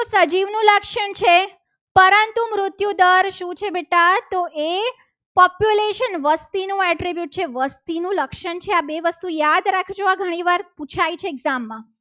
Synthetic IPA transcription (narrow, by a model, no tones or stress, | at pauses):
t̪osəd͡ʒiʋnũləkʃəɳt͡ʃʰe | pəɾənt̪umɾʊt̪jud̪əɾʃũt͡ʃʰebeʈat̪oe | pɔpjuleʃənʋəst̪inũɛʈɾibjuʈ̚t͡ʃʰeʋəst̪inũləkʃəɳt͡ʃʰeabeʋəst̪ujad̪ɾakʰid͡ʒoʋaɡʱəɽ̃ĩʋaɾpũt͡ʃʰajt͡ʃʰeːɡzamːã